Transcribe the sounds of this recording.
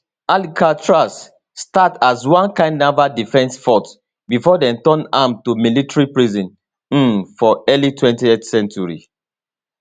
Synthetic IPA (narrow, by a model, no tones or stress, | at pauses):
alikʰat͡ʃɹasː | tatazwãnkãɪ̃ndnavadifɛ̃nsfɔt | bifɔdɛ̃ntɔ̃nãmtumilitɹipɹizɔ̃n̩ | fɔɛlitwɛ̃ntietsɛ̃nt͡ʃuɹḭ